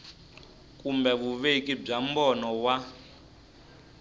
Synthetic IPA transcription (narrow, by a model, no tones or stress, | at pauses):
kʼumbɛβuβek̬ʼib͡ʐam̩bɔnɔwa